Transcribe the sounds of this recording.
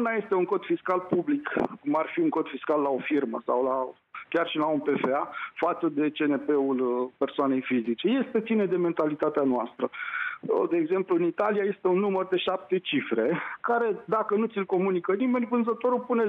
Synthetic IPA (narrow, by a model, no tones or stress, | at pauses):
unaje̞st̪e̞uŋko̞d̪fiskalpublikkːumarfiuŋko̞d̪fiskalːao̞firmə̰sa̰wla | kʲarʃilaunpe̞fe̞afat̪səd̪e̞t͡ʃe̞ne̞pe̞ulpersoane̞jfizit͡ʃe̞je̞st̪e̞t̪sined̪e̞me̞nt̪alit̪at̪eanoast̪ɾəəd̪e̞ːɡze̞mpluɨnit̪aliaje̞st̪e̞unːumərd̪e̞ʃap̚t̪e̞t͡ʃifɾe̞kaɾe̞d̪akənut̪silko̞munikənime̞nʲvɨnzət̪o̞ɾupune̞